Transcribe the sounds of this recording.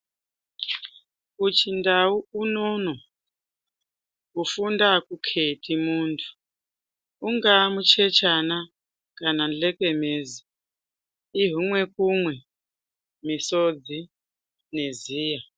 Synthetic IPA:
ut͡ʃʰindauunono | ufundakukʰetʰʼimuːntʰu̥ | uŋɡamut͡ʃʰet͡ʃana | kanand͡ɮekemeːzi | iɦuŋwekumwɛ | misod͡zi | neziːja

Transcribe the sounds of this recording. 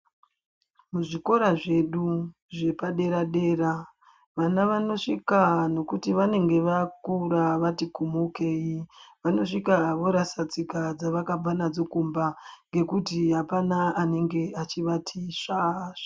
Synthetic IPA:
muʐiko̞ɾaʐe̞ɗu | ʐe̞paɗe̞ɾaɗe̞ːɾa | ʋanaʋano̞ʂikano̞kutiʋane̞ŋɡe̞ʋakuɾaʋatikumoke̞ːiʋano̞ʂikaʋo̞ɾasad͡zikad͡zaʋakab͡vanad͡zo̞kumbaŋɡe̞kutiɦapanaane̞ŋɡe̞at͡ʃiʋatʰiʂaʂḁ

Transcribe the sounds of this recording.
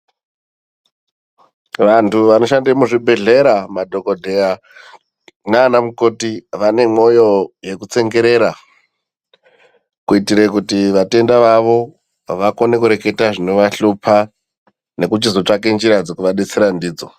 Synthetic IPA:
ʋantuʋano̞ʃandemuʐibʱe̞ɮe̞ɾamadʱo̞kodʱe̞a | naːnamuko̞tiʋane̞mo̞jo̞je̞kut͡se̞ŋɡe̞ɾe̞ɾa | kuitiɾekutiʋate̞ndaʋaʋo̞ | ʋakone̞kuɾe̞ke̞taʐinoʋaɬupʰa | ne̞kut͡ʃizo̞t͡ʂakend͡ʒiɾad͡zokuʋaɗet͡seɾandiːd͡zo̞̰

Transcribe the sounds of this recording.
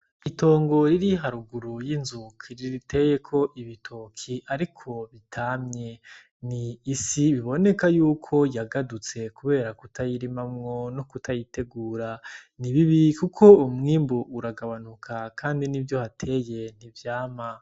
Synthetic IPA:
ito̞ːŋɡo̞ɾiɾiɦaɾuɡuɾujinzukʰiɾiɾitʰe̞je̞kʰo̞ʔiβitʰoːkʰiʔaɾikʰo̞βitʰamɲe̞ | niːsiβiβo̞ne̞kajuːkʰo̞jaɡadut͡se̞kuβe̞ːɾakutʰajiɾimamŋo̞nokutʰajite̞ɡuːɾaniβiβikukʰo̞umŋiːmbuʔuɾaɡaβanukʰakʰaːndinivjo̞hatʰe̞je̞n̥ivjaːma

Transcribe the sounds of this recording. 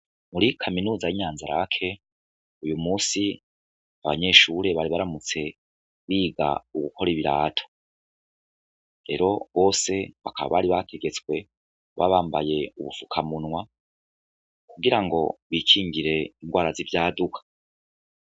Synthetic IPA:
muɾikʰaminuːzajiɲaːnzaɾa̰kʰe̞ | ujumuːsi | aβa̰ɲe̞ːʃuːɾe̞βaɾiβaɾamut͡se̞ | βiːɡa̰uɡuko̞ɾiβiɾa̰ːtʰo̥ | ɾe̞̰ːɾo̞βo̞ːse̞βakʰaβa̰βaɾiβatʰe̞ɡe̞t͡skwe̞ | βa̰βaːmbaje̞uβufukʰamunwa | kuɡiɾaŋɡo̞̰βikʰiːŋɡiɾe̞iŋɡwaːɾazivjaːdukʰḁ

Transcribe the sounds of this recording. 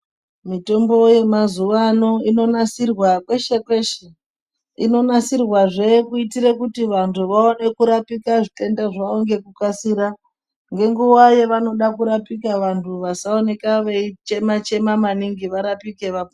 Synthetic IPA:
mito̞mbo̞je̞mazuʋano̞ino̞nasirwakwe̞ʃe̞kwe̞ʃe | ino̞nasirwaʐe̞kuitiɾekutiʋantʰuʋaone̞kuɾapikaʐite̞ndaʐaoŋɡe̞kukasiːɾa | ŋɡe̞ŋɡuwaje̞ʋano̞ɗakuɾapikaʋantʰuʋasao̞ne̞kaʋeit͡ʃe̞mat͡ʃe̞mamaniŋɡiʋaɾapike̞ʋapo

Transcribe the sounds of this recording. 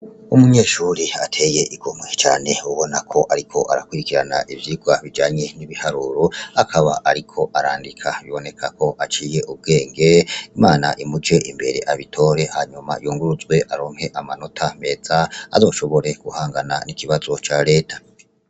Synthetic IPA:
umuɲe̞ːʃuɾiatʰe̞je̞ʔiɡomŋet͡ʃa̰ːne̞uβo̞nakʰo̞ʔaɾikʰo̞ʔaɾakwuɾikiɾanaʔivjiɡwaβid͡ʒaːɲe̞niβihaɾuːɾoakʰaβaʔaɾikʰo̞ʔaɾaːndikʰaβiβo̞ne̞kʰako̞ʔat͡ʃiːje̞ʔub̚ɡe̞ːŋɡe̞imaːna̰ʔimud͡ʒe̞ʔimbe̞ɾe̞̰ʔaβitʰo̞ːɾe̞haɲuma̰juːŋɡuɾuzwe̞ʔaɾo̞ːŋhe̞ʔamano̞tʰame̞ːd͡zaa̰zo̞ːʃo̞βo̞ɾe̞ɡ̥uhaːŋɡana̰nikiβazo̞t͡ʃaɾe̞ːtʰḁ

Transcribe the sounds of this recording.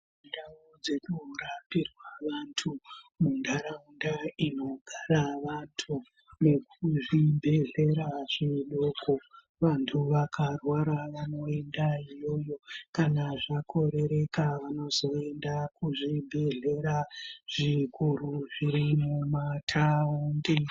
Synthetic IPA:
ndaud͡ze̞kurapirwaʋantʰumundaɾaundaino̞ɡʱaɾaʋantʰu | ne̞k̚uʐibʱe̞ɮe̞ɾaʐ̥iɗokʰo | ʋantʰuʋakʰarwaɾaʋano̞endaijo̞jo̞kanaʐakʰo̞ɾe̞ɾe̞kaʋano̞zo̞e̞ndakuʐibʱe̞ɮe̞ɾaʐ̥ikuɾuʐiɾimumatʰaundi

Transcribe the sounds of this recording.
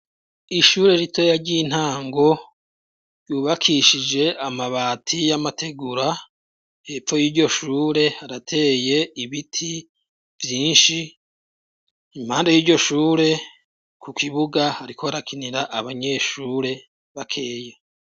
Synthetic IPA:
iʃuːɾe̞ɾitʰo̞jaɾɟin̥haːŋɡo̞ | ɾjuːβakʰiʃid͡ʒe̞ʔamaβaːtʰijamatʰe̞ɡuɾa | he̞ːfo̞jiːɾɟo̞ʃuːɾe̞haɾatʰe̞ːje̞iβitʰi | vjiːnʃi | m̥haːndajiːɾɟo̞ʃuːɾe̞ | kʰukʰiβuɡahaɾikʰo̞aɾakʰiniɾaʔaβaɲe̞ːʃuːɾe̞ | βakʰe̞ːje

